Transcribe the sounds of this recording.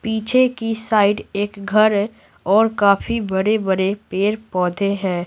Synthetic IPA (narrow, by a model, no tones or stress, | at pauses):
piːt͡ʃʰekisaːɪɖeːkɡʱɐɾɛ | ɔːɾkaːfʰibəɾebəɾepeːɾpɔːd̪ʱeɦɛ̃ː